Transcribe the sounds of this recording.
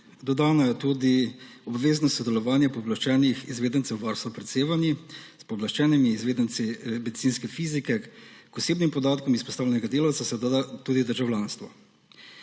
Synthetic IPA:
d̪ɔd̪aːnajɛt̪uːd̪iɔbʋeːznɔst̪sɔd̪ɛlɔʋaːnjɛpɔblaʃt͡ʃɛːnixizʋeːd̪ənt̪sɛwʋaɾst̪ɔpɾɛt̪seːʋanispɔblaʃt͡ʃɛːnimiːzʋeːd̪ənt̪simɛd̪it̪iːnskɛfiːzikɛkɔseːbnimpɔd̪aːt̪kɔmispɔ̥st̪aːwlʲɛnɛɡad̪eːlawt̪sasad̪aat̪uːd̪id̪əɾʒawlʲaːnst̪ʋɔ

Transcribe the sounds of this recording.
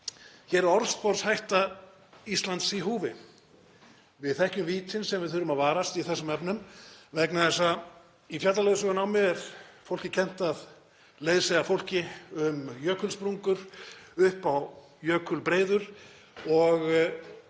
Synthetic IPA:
çɛɾɾɔɾspɔɾshajht̪a | ist̪lant̪siɦuːvɪ | vɪðθɛhcʏmviːt̪ɪnsɛmvɪðθʏɾʏmaðvaːɾast̪iθɛsːʏmɛpnʏmvɛknaθɛsa | ifjat̪lalejðʏsɔɣʏnawmjɛɛɾfowl̥cɪcʰɛn̥t̪að | leːjðsɛɣafowl̥cɪʏmjœːkʰʏlspɾuŋkʏɾ̥ʏhpaw | jœːkʰʏlpɾeːjðʏɾ̥ | ɔɣ

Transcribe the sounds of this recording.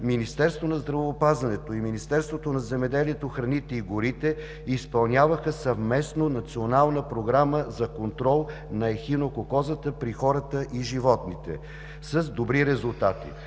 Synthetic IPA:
minist̪ɛɾst̪vonɐzd̪ɾɐvːpazɐnɛt̪oiminist̪ɛɾst̪vot̪onɐzɛmɛd̪ɛliɛt̪oxɾɐnit̪ɛiɡoɾit̪ɛ | ispɐlˠnʲavəxəsɐvmɛsnonɐt̪sionalˠnəpɾoɡɾaməzɐkont̪ɾɔlˠ | nɐɛxinokokɔzət̪əpɾixɔɾət̪əʔiʒivɔt̪nit̪ɛ̰ | səzd̪obɾiɾɛzulˠt̪at̪ḭ

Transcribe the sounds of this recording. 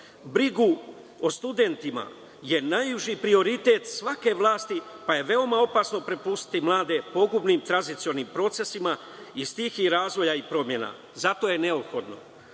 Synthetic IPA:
bɾiɡu | o̞st̪ud̪e̞nt̪ima̰ | je̞najuʒipɾio̞ɾit̪e̞t̪sʋake̞ʋlˠaːst̪ipaje̞ʋe̞o̞mao̞pasno̞pɾepust̪i̥t̪imlˠaːd̪e̞po̞ɡubnimt̪ɾanzit̪sio̞nimpɾo̞t̪se̞sima | ist̪iːxiɾaːzʋo̞jaipɾo̞mje̞na̰ | zat̪o̞je̞ne̞opxo̞d̪no̞̰

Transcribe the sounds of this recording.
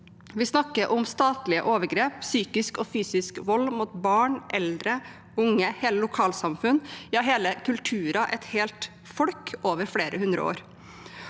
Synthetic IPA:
ʋɪsnɑkːəʔʊmst̪ɑːt̪lɪə̰ʔoːʋəɾɡɾeːpsyːkɪskɔfyːsɪskʋɔlːmuːt̪bɑːɳʔɛld̪ɾə | ʊŋəheːləlʊkʰɑːlsɑmfʉnjɑːɦeːləkʰʉlt̪ʰʉːɾɑʔɛt̪heːlt̪ | fɔɽkoːʋəɾfɽeːɾəhʉnd̪ɾə̰o̰ːɾ

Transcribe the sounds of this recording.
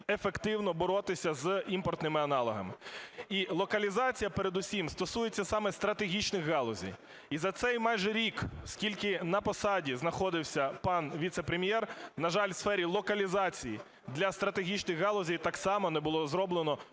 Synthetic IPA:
efekt̪ɪwnɔbɔɾɔt̪ɪsʲɐzimpɔrt̪nɪmɪɐnɑlˠɔɦɐ̰mɪilˠɔkɐlʲizɑt͡sʲijɐpeɾed̪ʊsʲimst̪ɔsujet͡sʲːɐsɑmɛst̪ɾɐt̪eɦʲit͡ʃnɪxːɑlˠɔzʲḭj | izɐt̪sɛjmɑjʒɛɾʲikskʲilʲkɪnɐpɔsɑdʲiznɐxɔd̪ɪwsʲɐpɑnʋʲit̪sɛpɾemʲjɛrnɐʒɑlʲwsfɛɾʲilˠɔkɐlʲizɑt͡sʲiji | d̪lʲɐst̪ɾɐt̪eɦʲit͡ʃnɪɣɦɑlˠɔzʲijt̪ɑksɑmɔnɛbʊlˠɔzɾɔblˠenɔ

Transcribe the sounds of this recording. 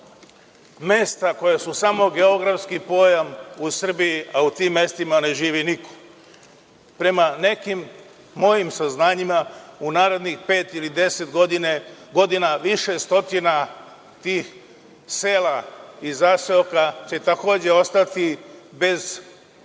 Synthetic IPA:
me̞st̪ako̞jesusamo̞ɡe̞o̞ɡɾafskipo̞jamusr̩bijiʔaut̪iːmːe̞st̪imane̞ʒiːʋiniko̥ | pɾe̞mane̞kimː | o̞jimsaznaːɲimaunaːɾe̞d̪nixpe̞ːt̪ilid̪e̞se̞t̪ɡod̪ineɡo̞d̪inaʋiʃe̞st̪o̞t̪ina | t̪iːx | seːlaizaseokat͡ɕe̞t̪ako̞ːd͡ʑe̞o̞st̪at̪ibe̞z

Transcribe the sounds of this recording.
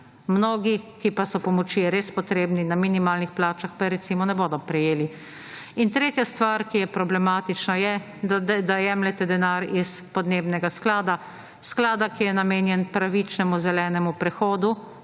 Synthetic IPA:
mnoːɡikipasɔpɔmɔt͡ʃiɾeːspɔt̪ɾeːbninaminimaːlnixplaːt͡ʃaxpaɾɛt̪simɔnɛboːd̪ɔpɾɛjeːli | int̪ɾeːt̪jast̪ʋaɾkijɛpɾɔblɛmaːt̪it͡ʃnajɛ | d̪ad̪ajɛːmlɛt̪ɛd̪ɛnaɾispɔd̪neːbnɛɡasklaːd̪a | sklaːd̪akijɛnameːnjɛnpɾaʋit͡ʃnɛmuzɛlɛːnɛmupɾɛxoːd̪u

